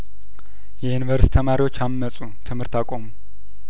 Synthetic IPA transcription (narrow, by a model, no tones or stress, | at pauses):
jɛjɪnvəɾst̪ʰəmaɾiwo̞t͡ʃːamːəsʼut̪ʰɨmhɨɾt̪akʷʼomu